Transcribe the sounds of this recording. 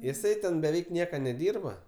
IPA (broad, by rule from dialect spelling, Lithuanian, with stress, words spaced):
jɪˈsɐɪ tʲɛn bʲɛˈʋʲɛɪk ˈnʲiɛkɐ nʲɛˈdʲiːrbɐ